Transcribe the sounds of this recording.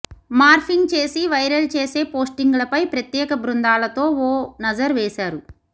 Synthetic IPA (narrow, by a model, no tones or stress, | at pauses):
maːɾpʰiŋɡ̚t͡ʃe̞ːsiʋɐjɾɐlt͡ʃeːse̞ːpoːsʈiŋɡulɐpɐjpɾɐt̪jɛːkɐbɾund̪aːlɐt̪o̞ːoːnɐd͡ʒɐɾʋɛːʃaːɾu